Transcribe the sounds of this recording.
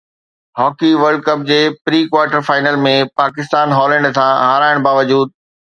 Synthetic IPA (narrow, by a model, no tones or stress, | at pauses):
ɦɔːkiʋɐɾɖ̚kɐp̚d͡ʑeːpɾiːkwaːɾʈəɾfaːɪnəlmẽpaːkɪst̪aːnɦɔːlɛ̃ːɳɖsãɦaːɾaːɪɽ̃baːʋəd͡ʑuːd̪̚